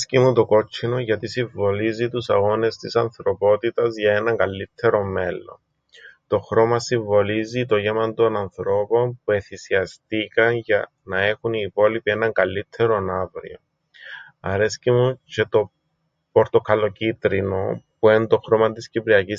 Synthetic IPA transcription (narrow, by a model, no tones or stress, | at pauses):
scimut̪o̞ko̞t͡ʃʰːinoʝɐt̪isiɱvo̞lizit̪usɐɣo̞ne̞st̪isɐnθɾo̞po̞t̪it̪ɐzʝɐe̞nɐŋɡɐlːit̪ʰːe̞ɾo̞me̞lːo̞̰n | t̪o̞xɾo̞mɐsiɱvo̞lizit̪oʝemɐnd̪o̞nɐnθɾo̞po̞np̚ue̞θisiɐst̪ikɐnʝɐ | nɐe̞xuniːpo̞lipie̞nɐŋɡɐlːit̪ʰːe̞ɾo̞navɾḭo̰ | ɐ̰ɾe̞scimuce̞t̪o̞ | po̞ɾt̪o̞kʰɐlo̞cit̪ɾino̞puend̪o̞xɾo̞mɐt̪iscipɾiɐcis